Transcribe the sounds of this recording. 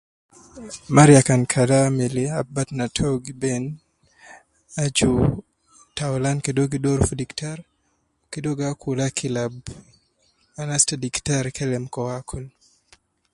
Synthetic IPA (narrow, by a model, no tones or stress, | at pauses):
maɾjakankʰadameleabatnatʰoɡben | ad͡ʒu | taulankedoɡidoɾfudiktaɾ | okedoɡakʰulakʰilab | anastadiktaɾkʰɛlɛmkɔakʰul